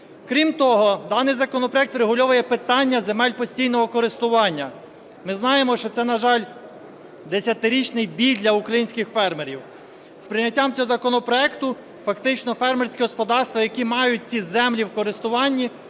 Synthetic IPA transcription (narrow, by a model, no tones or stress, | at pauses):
kɾʲimt̪ɔɦɔd̪ɑnɪjzɐkɔnɔpɾɔjɛk̚t̪ɾeɦʊlʲɔʋɐjɛpɪt̪ɑnʲːɐzemɛlʲpɔsʲtʲijnɔɦɔkɔɾɪst̪ʊʋɑnʲːɐ | mɪznɑjemɔʃt͡ʃɔt̪sɛnɐʒɑlʲ | d̪esʲɐt̪ɪɾʲit͡ʃnɪjbʲilʲd̪ʲlʲɐukɾɐjinʲsʲkɪxfɛrmeɾʲiw | spɾɪnʲːɐtʲːamt͡sʲɔɦɔzɐkɔnɔpɾɔɛkt̪ʊ | fɐkt̪ɪt͡ʃnɔfɛrmersʲkʲiɦɔspɔd̪ɑrst̪ʋɐjɐkʲimɑjʊt̚ʲt͡sʲizɛmlʲiwkɔɾɪst̪ʊʋɑnʲːi